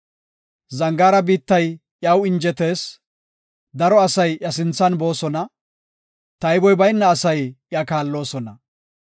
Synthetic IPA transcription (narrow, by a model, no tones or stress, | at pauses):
zɐŋɡaːɾɐbiːt̪ːɐj | jɐwɪnd͡ʒɛt̪e̞ːs | d̪ɐɾɔɐsɐjjɐsɪnt͡sːɐnbo̞ːsɔnɐ | t̪ɐjbɔjbɐjnːɐːsɐjjakaːlːo̞ːsɔnɐ